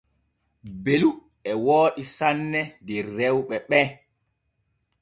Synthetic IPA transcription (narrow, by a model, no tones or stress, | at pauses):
belu | ɛwoːɗisanːɛdiɾːɛwɓɛɓɛ